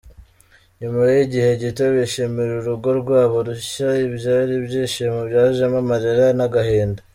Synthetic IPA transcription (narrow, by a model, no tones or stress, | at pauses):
ɲumaɾejiɟihe̞ɟitoβeʃemeɾuɾuɡo̞ɾɡwaːβo̞ɾuʃʃaibjaːɾibjiːʃemubjaːuʒemamaɾeɾanaɡaheːnda